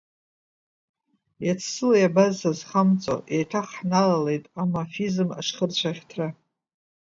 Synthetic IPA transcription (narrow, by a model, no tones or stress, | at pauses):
jat͡sʰsɨlajabazazχamt͡sʼo̰ʔejtʰaχħnalale̞jtʼamafizma̰ʂχərt͡ɕʷʰaχʲtʰra